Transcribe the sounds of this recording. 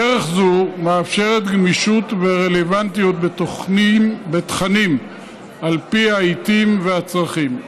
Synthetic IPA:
eʁeχzumeafʃe̞ʁet̪ɡmiʃut̪veʁe̞levant̪ijot̪̚bto | bet̪χanim | alpiait̪imveat͡sʁaχim

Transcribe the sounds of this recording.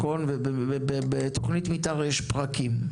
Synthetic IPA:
konvebeebebet̪oχnit̪mitaʁjeʃpʁakim

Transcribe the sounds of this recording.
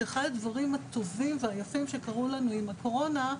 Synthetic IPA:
eχadad̪vaʁimhat̪o̞vimveajafimʃe̞kaʁulanuimako̞ʁo̞na

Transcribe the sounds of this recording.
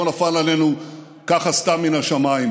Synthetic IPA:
onafalalenu | kaχastamːinaʃamaim

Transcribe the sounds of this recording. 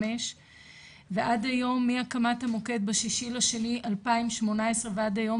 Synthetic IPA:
eʃ | veʔadajo̞mːiakamathamo̞ke̞d̚baʃiʃilaʃe̞niʔalpaimʃmo̞naesʁeveadajo̞

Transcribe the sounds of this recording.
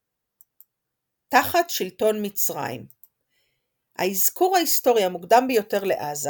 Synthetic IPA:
taχatʃilto̞nmit͡sʁa̰jḭm | ha̰izkuʁhaisto̞ʁjamuɡdambejo̞te̞ʁle̞̰ʔaza

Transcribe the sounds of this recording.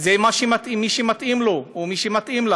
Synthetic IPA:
zemaʃemat̪imiʃemat̪ʔimloomiʃemat̪imla

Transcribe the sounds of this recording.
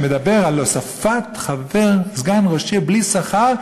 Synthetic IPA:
med̪abeʁalːosafat̪χaveʁzɡanʁoʃiblisaχaʁ

